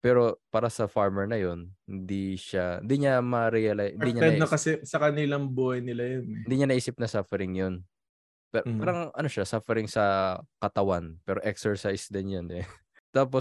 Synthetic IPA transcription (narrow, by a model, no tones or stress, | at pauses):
pɛːɾo̞paːɾɐsɐfaɹmɛɹnɐjonhɪnd̪iʃahɪ̰nd̪iɲamɐɾɛjɐlajɪnd̪iɲaɛnokɐsɛsɐkɐnɪlaŋbuhɐjnɪlajonɪnd̪iːɲɐnɐʔiːsɪp̚nɐsafɛɾɪŋjon | pɛpaːɾɐŋʔɐnoʃasafɛɾɪŋsɐkɐt̪ɐwanpɛːɾo̞ʔɛksɛɹsajsd̪ɪnjɐnɪ | t̪aːp̬o